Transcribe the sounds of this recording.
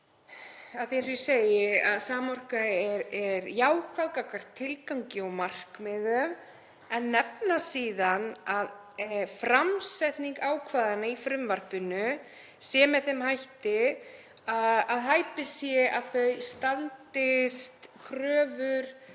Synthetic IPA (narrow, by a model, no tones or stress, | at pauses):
aðθiɛɾsʏsejɪaðsaːmɔr̥kaɛɾɛɾjaːwkʰvalkakaɾ̥t̪ʰɪlkawɲcɪɔmar̥kmɪðœm | ɛnːɛpnasiːðanað | fɾamsɛt̪niŋkaːwkʰvaːðanaifɾʏmvar̥pʏnʏ | sjɛːmɛðθemhajht̪ɪ | aaðɦajpɪsjɛʔaðθœɥst̪alt̪ɪst̪kʰɾœːvʏɾ̥